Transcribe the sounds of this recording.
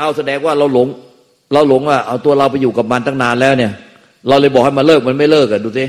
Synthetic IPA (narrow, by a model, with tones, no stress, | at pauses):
ʔa˧˩wsa˧dɛː˧ŋwaː˥˩ɾa˧wlo˨˩˦ŋ | ɾa˧wlo˨˩˦ŋwaː˥˩ʔa˧˩t̪u˧ɐɾa˧wpa˧jːuː˨˩ka˨˩p̚ma˧nt̪ʰaː˥˩ŋnaː˧nlɛː˦˥wni˥˩ɐ | ɾa˧wlɤː˧˩jbɔː˨˩k̚ha˥˩jma˧nlɤː˥˩k̚ma˧nma˥˩jlɤː˥˩k̚a˨duː˧˩si˦